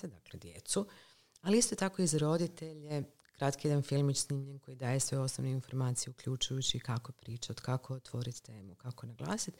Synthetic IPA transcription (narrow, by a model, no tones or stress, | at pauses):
d̪akled̪jḛt̪su | aliist̪o̞t̪ako̞izaɾo̞d̪it̪e̞ʎje | kɾat̪kijed̪anfilˠmit͡ʃsnimʎenko̞jid̪aːje̞sʋe̞o̞snoʋneinfo̞ɾmaːt̪sijeukʎʲut͡ʃujut͡ɕikakopɾiːt͡ʃaod̪kako̞ot̪ʋo̞ɾit̪t̪eːmukako̞naɡlˠa̰ːsit̪